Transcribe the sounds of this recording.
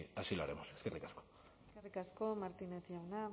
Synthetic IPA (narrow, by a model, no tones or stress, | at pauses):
asiloaɾemoseskerikasko̥ | skerikasko̞maɾt̪inet̪iawna